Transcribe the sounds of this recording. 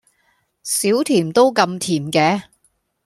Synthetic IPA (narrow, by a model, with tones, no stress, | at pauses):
siː˨˥wt̪ʰiː˨˩mt̪o˥wkɐ˧mt̪ʰiː˨˩mkɛː˨˧